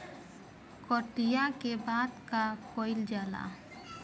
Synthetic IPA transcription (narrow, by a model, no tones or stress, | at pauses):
kɔʈijakebaːd̪kakɔːɪld͡ʒaːla̰